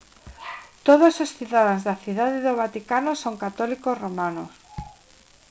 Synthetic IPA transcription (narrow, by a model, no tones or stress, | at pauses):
t̪oð̞ososθiðaðazðaθiðaðeðoβat̪ikanosoŋkat̪ɔlikosromano̰s